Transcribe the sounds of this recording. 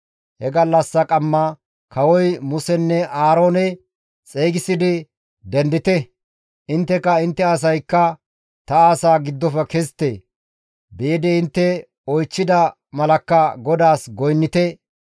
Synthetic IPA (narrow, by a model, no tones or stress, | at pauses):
hɛɡɐlːɐsːɐkʼɐmːɐ | kʰɐwɔjmʊsɛnːɛʔaːɾoːnɛ | t͡sʼeːɡɪsɪd̪ɪ | d̪ɛnd̪ɪt̪ɛ | ʔɪnt̪ːɛkɐɪnt̪ːɛɐs̬ɐjkːɐ | t̪ɐaːsaːɡɪd̪ːɔfɛkɛst̪ːe | beːd̪ɛɪnt̪ːɛ | ɔjt͡ʃːɪd̪ɐ | mɐlɐkːɐɡɔd̪aːsɡɔjnːɪt̪ɛ